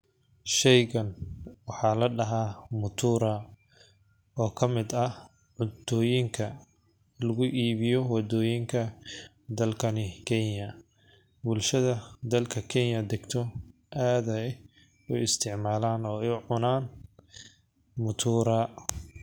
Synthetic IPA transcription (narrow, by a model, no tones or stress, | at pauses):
ʃɛjɣɐnwɑħɑːlɐɖɐɦaːmʊt̪ʰuːɾaː | ɔːkʰɐmɪd̪ɐ | ʕʊd̪ɔːjɪŋkʰɐ | lɐɣʊʔiːβɪjɔwɑd̪ɔːjɪŋkʰɐ | d̪ɐlkʰɐnɪkʰɛnjɐ | bʊlʃɐðɐd̪ɐlkʰɐkʰɛnjɐd̪ɛɡt̪ʰɔ | ʔaːðɐ | ʊɪst̪ʰɪʕmaːlaːnɔːɛjʊʕʊnaːn | mʊt̪ʰuːɾaː